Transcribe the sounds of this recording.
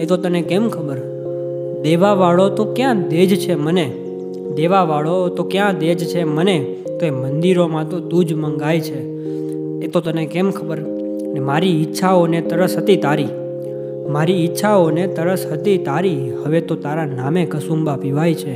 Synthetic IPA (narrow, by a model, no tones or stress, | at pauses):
et̪ot̪ənekɛmkʰəbəɾ | d̪eʋaʋaɭot̪okjãd̪ed͡ʒt͡ʃʰeməne | d̪eʋaʋaɭot̪okjãd̪ed͡ʒt͡ʃʰeməne | t̪oemənd̪iɾomãt̪od̪ud͡ʒməŋɡajt͡ʃʰeː | t̪ot̪ənekɛmkʰəbəɾ | nemaɾiːtːʃʰaonet̪əɾəsɦət̪it̪aɾi | maɾiːtːʃʰaonet̪əɾəsɦət̪it̪aɾi | həʋet̪ot̪aɾanamekəsumbapiʋajt͡ʃʰe